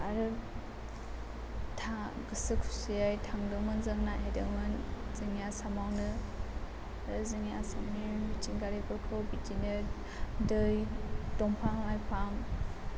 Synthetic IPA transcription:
aɾɯ | tʰa | ɡɯsɯkʰu̥sɯjajtʰaŋdɯmɯnzɯŋnajajdɯmɯnzɯŋjasamawnɯ | aɾɯzɯŋjasaŋnibitiŋɡaɾikɔɾkʰɯwbitinɯ | dɯjdɔŋpʰaŋlajpʰaŋ

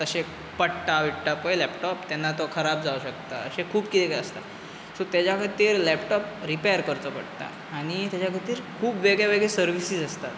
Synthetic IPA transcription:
t̪əɕe | pəɽʈ̪aʋiʈʈapojlɛpʈɔpt̪janːat̪okʰəɾab̚d͡zauɕəkt̪a̰əɕekʰuːbkit̪ɛkɛəst̪a̰ | sot̪jat͡ɕakʰət̪iːɾlɛpʈɔpɾipejəɾkəɾt͡səpə̰ɽt̪a̰ | aɽ̃it̪jat͡ɕakʰət̪iːɾkʰuːbʋeɡɭjaʋeɡɭesəɾʋisid͡zəst̪at̪

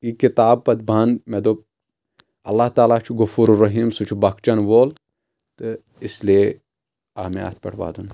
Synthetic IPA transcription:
jikɪt̪aːb̚pɐd̪̚bɐnmed̪oː | ɐ̰lːaɦt̪aːlat͡ʃʰuɡʊfuːɾɾːɐɦiːmsut͡ʃʰubɐkt͡ʃɐnʋoːl | t̪ɨ | ɪslie | aːmea̰ːt̪̚ʰpɐ̰ʈʰʋa̰ːd̪uːn

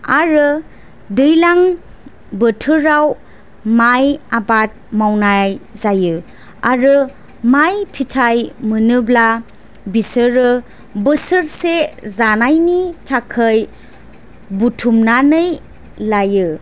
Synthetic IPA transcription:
aɾɯ | dɯjlaŋ | bətʰɯɾaw | majabat̚mawnajzajɯ | aɾɯ | majpʰitʰajmɯnɯbla | bisɯɾɯ | bɯsɯɾsezanajnitʰakʰəj | butʰumnanɯj | lajɯ

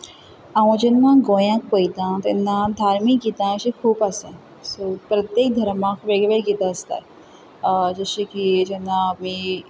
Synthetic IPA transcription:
ãʋə̃d͡ʑenːãɡojãk̚pojt̪ãt̪enːãd̪ʱaɾmikit̪ãɕikʰuːpasẽ | sopɾət̪jek̚d̪ʱəɾmãkʰʋeɡʋeɾɡit̪ãəst̪a̰ | d͡ʒəɕikid͡ʒenːamiː

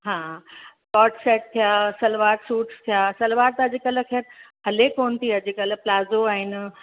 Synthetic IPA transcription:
ɦãːkɔːʈseːʈ̚t̪ʰijaːsɐlʋaːɾsuːʈst̪ʰijaːsɐlʋaːɾt̪ɐd͡ʑikələ̆kʰeːɾ | ɐlekoːnt̪ʰiɐd͡ʑikɐləplaːzoaːɦɪn̆

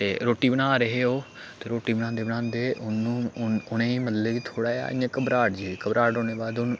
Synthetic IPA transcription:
t̪eːɾoːʈiːbənaːɾəɦeːoː | t̪eːɾoːʈiːbəñãːnd̪eːbənãːnd̪eːʔʊnːũːʊnẽːiːməd̪leːʋiːt̪ʰoːɽaːa̰ːɪãːkəbɾaːʈd͡ʒikəbɾaːoːñeːbaːd̪ʊn

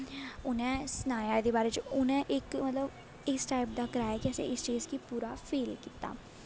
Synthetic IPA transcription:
ʊnɛ̃ːsnaːjaːed̪eːbaːɾeːt͡ʃʊnɛ̃ːʔɪkmət̪ləb | ɪsʈaːɪp̚d̪aːkəɾaːjaːkɛsḛ̃ʔɪst͡ʃeːskiːpuːɾaːpʰeːlkiːt̪a̰ː

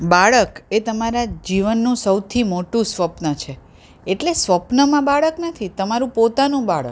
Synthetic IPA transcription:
baɭəket̪əmaɾad͡ʒiʋənːũsəwt̪ʰimoʈũsʋəpnət͡ʃʰe | eʈlesʋəpnəmãbaɭəknət̪ʰit̪əmaɾũpot̪anũbaɭə̰k

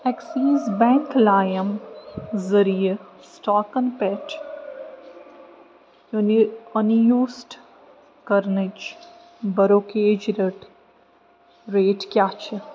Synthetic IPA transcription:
ɛksiːzbɛ̃ːŋklaːjəm | zəɾijesʈaːkə̃npɛʈ | joniɐnjuːsʈ | kɐɾnit͡ʃ | bɐɾoːkeːd͡ʒɾeʈ | ɾeːʈkjaːt͡ʃʰe

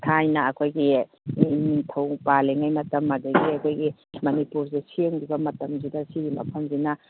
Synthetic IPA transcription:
tʰajnɐːkʰojɡi | niŋtʰɐwpaleŋajmɐtɐmːɐdɐɡiɐkʰojɡimɐnipuɾzesieŋbibɐmɐtɐmzidɐsiɾimɐ̰pʰɐmzinɐ

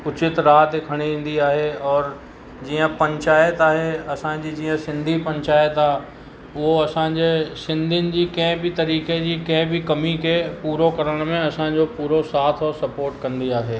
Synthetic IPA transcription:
ʊt͡ɕɪt̪ɾaːt̪ekʰɐɽ̃iẽːn̆d̪iaːɦeɔːɾ | d͡ʑiːə̃pɐ̃ɲt͡ʃaːjət̪aːɦeɐsãd͡ʑid͡ʑiːə̃sɪ̃nd̪ʱipɐ̃ɲt͡ɕaːjət̪aː | ʊɦoɐsãd͡ʑesɪ̃nd̪ʱɪnɪ̆d͡ʑiːkɐ̃ɦɪ̃bʱit̪ɐɾiːked͡ʑiːkɐ̃ɦɪ̃bʱikɐmikʰepuːɾokɐɾəɽ̃mẽɐsãd͡ʑopuːɾosaːt̪ʰɔːɾsɐpoːɾʈkɐ̃nd̪iaːɦeː

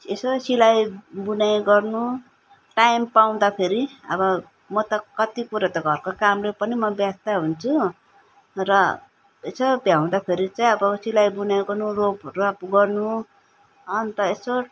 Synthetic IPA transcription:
esosilajbunajɡʌrnu | ʈajmpaw̃d̪apʰeɾiʌ̰bʌ | mʌt̪ʌkʌt̪ipuɾʌt̪ʌɡʱʌrkokamlepʌnimʌbjast̪aɦunt͡sʰu | rʌ | esobjaw̃d̪apʰeɾit͡saĩʌbʌsilajbunajɡʌrnuropʌɾuapɡʌrnu | ʌnt̪ʌeso

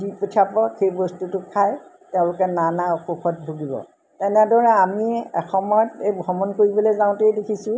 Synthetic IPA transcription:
dipɔtʰapɔxejbɔstutʊkʰaj | tɛʊ̃lʊkɛnanaɔxuxɔt̚bʱuɡibɔ̰ | tɛnɛdɔɹɛamiɛ̰xɔmɔtejɡʱɔmɔnkoɹibɔlezãʊ̃tedekʰisʊ̃

